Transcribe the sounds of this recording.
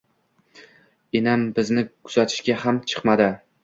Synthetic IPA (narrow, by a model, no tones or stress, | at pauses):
enambɪznɪkʰʊz̥at̪ʰɪ̥ʃkʲahamt͡ʃʰɨ̥qmad̪ɪ